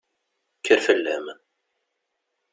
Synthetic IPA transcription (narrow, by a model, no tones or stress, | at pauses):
kːəɾfəlːæ̰m